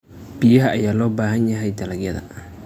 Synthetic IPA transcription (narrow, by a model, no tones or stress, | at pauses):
b̥ijɐɦɐʔɐjaːlɔːbaːɦɐnjɐɦɛjd̪ɐlɐɡjɐðɐ̰